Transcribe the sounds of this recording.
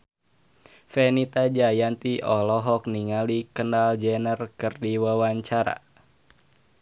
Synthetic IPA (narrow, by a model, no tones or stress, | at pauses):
fɛnit̪ad͡ʒajant̪iʔɔlɔɦɔk̚niŋalikənald͡ʒɛnərkərdiwawaɲt͡ʃaɾa̰